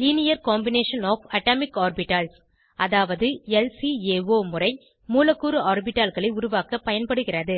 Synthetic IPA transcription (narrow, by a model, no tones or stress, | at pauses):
liːnɪjɐɾkoːmbɪneːʂɐnɔːfɐʈaːmɪkaːɾbɪʈːaːls | ʔɐðaːʋɐðɯɛlsieːʋoːmʊrɐɪ | muːlɐkːuɾɯaːɾbɪʈːaːlɣɐɭɐɪʊɾʊʋaːkɐpːɐjɐnpɐɽɯɣɪrɐðɯ